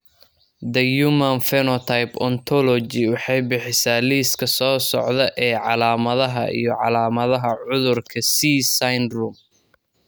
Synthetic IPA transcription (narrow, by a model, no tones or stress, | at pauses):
d̪ɐjumɐnfɛnɔt̪ʰɐjpɔnt̪ʰɔlɔt͡ʃɪwɑħɑjbɪħɪsaːliːskʰɐsɔːsɔ̰ʕðɐʔɛːʕɑlaːmɐðɐɦɐʔḭjɞʕɑlaːmɐðɐɦɐʕʊðʊrkʰɐsisajnruːm